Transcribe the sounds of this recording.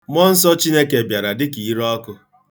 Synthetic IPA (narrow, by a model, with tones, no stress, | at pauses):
mɔ˦n̩˦sɔ˦t͡ʃi˦ne˦ke˨bja˨ɾa˨dɪ˦ki˨˦ɾɔ˦kʊ˦